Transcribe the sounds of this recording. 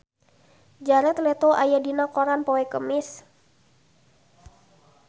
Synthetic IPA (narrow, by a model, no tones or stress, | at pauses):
d͡ʒaɾɛt̪lɛt̪oʔajadinakɔɾanpɔɛkəmɪs